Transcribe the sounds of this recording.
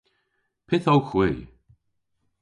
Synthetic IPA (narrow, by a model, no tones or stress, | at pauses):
pʰɪθowxwiː